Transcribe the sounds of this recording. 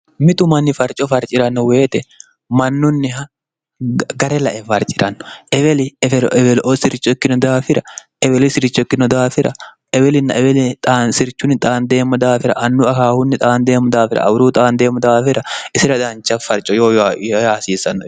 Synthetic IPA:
mɪt̪ʊmɐnːɪfɐɾt͡ʃʼɔfɐɾt͡ʃʼɪɾɐnːɔwe̞ːt̪ɛ | mɐnːʊnːɪhɐ | ɡɐɾɛlɐʔɛfɐɾt͡ʃʼɪɾɐnːɔ̥ʔɛbɛlɪfɛɛfɛlɔʔɔsɪɾɪt͡ʃːɔkːɪnɔd̪aːfɪɾɐʔɛbɛlɪsɪɾɪt͡ʃːɔɪkːɪnɔd̪aːfɪɾʔɐ̰ | ʔɛbɛlɪnːɐʔɛbɛlɪt̪ʼaːnsɪɾt͡ʃʊnːɪt̪ʼaːnd̪e̞ːmːɐd̪aːfɪɾɐ̰ʔɐnːʊɐkaːhʊnːɪt̪ʼaːnd̪e̞ːmːʊd̪aːfɪɾɐ̰ʔɐ̰bɾuːt̪ʼaːnd̪e̞ːmːɐd̪aːfɪɾɐɪsɪɾɐd̪ant͡ʃɐfɐɾt͡ʃʼɔjoːjaːsiːsɐnːɔ

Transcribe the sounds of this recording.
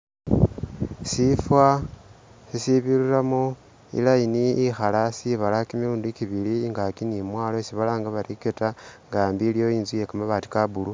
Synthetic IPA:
sifwa | sisiβiɾuɾamo | ḭlajiniixalasiβalakimiuːndukiβiliŋɡakinimwaːlo̞siβalaːŋɡaβaɾiketaŋɡaːmbiːlijo̞iːnzuje̞kamaβaːti̥kabulu

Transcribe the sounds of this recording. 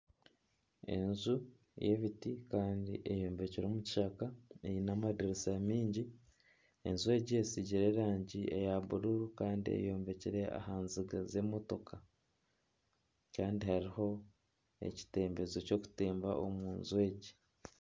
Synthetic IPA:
e̞̰nzu | jeβitikaːndḭʔejoːmbeciɾomuci̥ʃakaejinamadiɾisamiːɲɟi | e̞̰nzwe̞ːɟiesiɟiɾe̞ɾaːɲɟie̞̰jaβuɾuɾukaːndiḛjo̞ːmbe̞ciɾe̞a̰haːnziɡaze̞mo̞to̞kʰa | kaːndihaɾiho̞ | e̞̰ci̥te̞ːmbe̞zoco̞ːku̥teːmbaʔomuːnzwe̞ːɟi

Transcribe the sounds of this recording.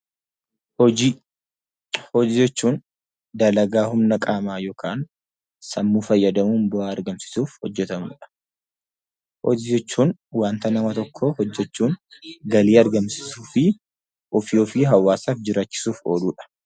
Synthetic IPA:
hɔd͡ʒiːd͡ʒɛt͡ʃːuːn | d̪ɐlɐɡaːhʊmnɐkʼaːmaːjo̞ːkʰaːn | sɐmːuːfɐjːɐd̪ɐmuːnbʊʔaːɐɾɡɐmsɪ̥suːfhɔd͡ʒːɛt̪ɐmṵːᶑɐ̥ | hɔ̰d͡ʒd͡ʒɛt͡ʃːuːnwaːnt̪ɐnɐmɐt̪ɔkʰːɔhɔd͡ʒːɛt͡ʃːuːŋɡɐliːɐɾɡɐmsɪ̥suːfɪ | ʔɔfjoːfɪɦɐwːaːsaːfd͡ʒɪɾaːt͡ʃːɪ̥suːfo̞ːluːᶑɐ̥

